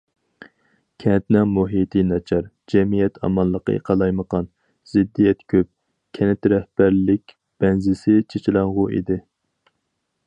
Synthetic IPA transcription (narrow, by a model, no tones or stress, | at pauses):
kʲʰɛnt̪nɛŋmuɦit̪ʰinɑt͡ʃʰɑɾ | d͡ʒɛmijɛt̪ʰɑ̰mɑnlˠəqʰə̰ḛqʰɑlˠɑjməqɑn | z̥ɪd̪ːijɛt̪kʲʰøp̚ | kʲʰɛnɪt̪ɾɛhb̥æɾlɪkʲ | b̥ɛnzɪsɪt͡ʃʰet͡ʃʰilˠɑŋʁʊʔḭd̪ɪ